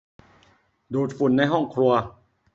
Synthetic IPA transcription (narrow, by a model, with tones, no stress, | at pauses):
doː˨˩t̪̚fu˨˩˦nːa˧jɦɔ˥˩ŋkʰɾu˧ɐ